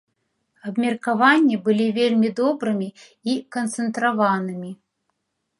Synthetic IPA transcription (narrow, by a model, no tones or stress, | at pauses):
ɐbmʲɛrkavanʲːibɨlʲivʲelʲmʲid̪ɔbɾɨmʲi | ikɐnt̪sɨnt̪ɾavanɨmʲi